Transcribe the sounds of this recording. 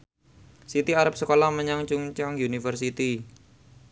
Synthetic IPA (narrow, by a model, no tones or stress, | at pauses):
sit̪iaɾəp̚səkolaməɲaŋt͡ʃuŋt͡ʃaŋjunifərsit̪i